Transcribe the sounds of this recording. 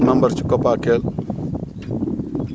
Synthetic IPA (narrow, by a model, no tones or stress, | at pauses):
nɐmbəɾt͡ʃʰu̥kəpaːkel